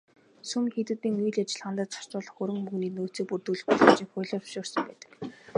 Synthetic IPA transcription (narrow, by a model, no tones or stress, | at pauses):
sumxet̪ɘ̆t̪iːŋujɮat͡ɕɪ̆ɮχant̪ə̆t̪t͡sɔ̥r̥t͡ɕʊːɮɞ̆χxɵɾɵ̆ŋmuɣniːnoːt͡siːk̚purt̪uːɮɘ̆xpɔɮə̆mt͡ɕiːkχʊːɮʲɔ̥ːʃʊːrsə̆mpæːt̪ə̥̆k